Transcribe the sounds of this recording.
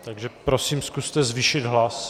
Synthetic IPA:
t̪aɡʒɛpɾo̞siːmskust̪ɛzviʃɪd̪ɦlas

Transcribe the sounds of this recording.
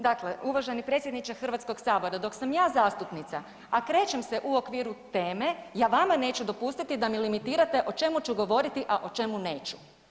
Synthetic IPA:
d̪akleuʋaʒenipɾet̪sʲjed̪nit͡ʃaxr̩ʋat̪sko̞ɡsaːbo̞ɾad̪o̞ksamjaːzaːst̪upnit̪sa | akɾe̞ːt͡ʃe̞mseʔuo̞kʋiːɾut̪e̞ːme̞jaːʋamane̞ːt͡ʃud̪o̞pust̪it̪id̪amilimit̪iːɾat̪e̞ʔo̞t͡ʃe̞mut͡ʃuɡo̞ʋo̞ɾit̪iʔaʔo̞t͡ʃe̞mune̞ːt͡ʃu̥

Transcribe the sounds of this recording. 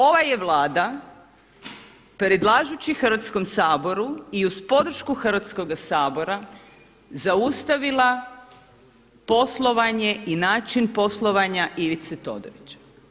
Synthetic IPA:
o̞ʋajeʋlˠaːd̪a | pɾed̪lˠaːʒut͡ɕixɾr̩ʋat̪sko̞msaːbo̞ɾuiuzpo̞d̪r̩ʃkuxr̩ʋat̪sko̞ɡasaːbo̞ɾa | zaust̪aʋilˠa | po̞slˠo̞ʋaɲe̞inaːt͡ʃinpo̞slˠo̞ʋaɲaʔiʋit̪set̪o̞̰d̪o̰ɾit͡ɕḁ

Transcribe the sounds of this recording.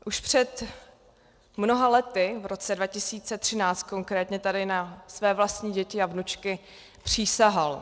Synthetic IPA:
ʔuʃpr̝̥ɛt̪ | mno̞ɦalɛt̪ɪvɾo̞t͡sɛdvacɪsiːt͡sɛt̪r̝̥ɪnaːt͡st̪̚ko̞ŋkɾɛːt̪ɲɛt̪adɪnasvɛːvlast̪ɲiːɟɛcɪavnut͡ʃkɪ | pr̝̥iːsaɦal

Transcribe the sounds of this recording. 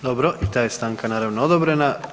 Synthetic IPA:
d̪obɾoʔit̪aːjest̪aːŋkanaːɾaʋnood̪obɾena

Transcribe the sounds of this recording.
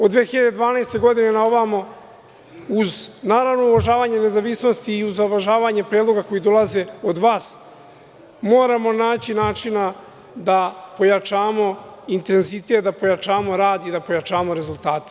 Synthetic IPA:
od̪ʋeːxiʎad̪ed̪ʋaːnajst̪e̞ɡo̞d̪ine̞naoʋamo | uznaːɾavno̞uʋaʒaːʋaːɲene̞zaʋisno̞st̪iːuzaoʋaʒaːʋaːɲepɾeːd̪lˠo̞ɡako̞jid̪o̞laze̞o̞d̪ʋaːs | mo̞ːɾamo̞naːt͡ɕinaːt͡ʂina | d̪apo̞jat͡ʂaːmo̞int̪e̞nzit̪e̞t̪̚d̪apo̞jat͡ʃaːmo̞ɾaːd̪id̪apo̞jat͡ʃaːmo̞ɾe̞zult̪aːt̪e

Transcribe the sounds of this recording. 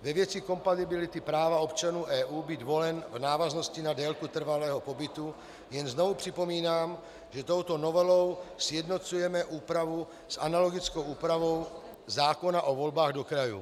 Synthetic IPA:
vɛvjɛt͡sɪko̞mpat̪ɪbɪlɪt̪ɪpɾaːvao̞pt͡ʃanuːʔɛːʔuːbiːd̪vo̞lɛnvnaːvazno̞scɪnadɛːlkut̪r̩valɛːɦo̞po̞bɪt̪u | jɛnzno̞vupr̝̥ɪpo̞miːnaːm | ʒɛt̪o̞wt̪o̞no̞vɛlo̞wsjɛdno̞t͡sujɛmɛʔuːpɾavu | sʔa̰nalo̞ɡɪt͡skowʔuːpɾavo̞w | zaːko̞naʔovo̞lbaːɣdo̞kɾajṵ

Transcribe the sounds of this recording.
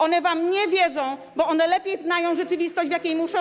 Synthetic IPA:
ɔnɛvamɲɛvʲjɛd͡zɔ̃w̃ | bɔɔnɛlɛpʲjejznajɔ̃w̃ʐɛt͡ʂɘvʲist̪ɔɕd͡ʑvjakʲejmuʂɔ̃

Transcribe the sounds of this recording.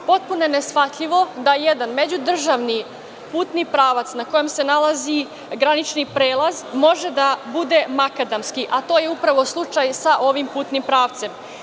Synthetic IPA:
po̞t̪̚punoenesfat̪ʎiʋo̞d̪ajed̪anme̞d͡ʑud̪r̩ʒaʋni | puːt̪nipɾaːʋat̪snako̞jemse̞nalˠazi | ɡɾanit͡ʃnipɾeːlˠazmo̞ʒed̪abud̪emakad̪amskiʔat̪o̞ːje̞upɾaʋo̞slˠut͡ʃajsaʔo̞ʋimpuːt̪nimpɾaːʋt̪se̞m

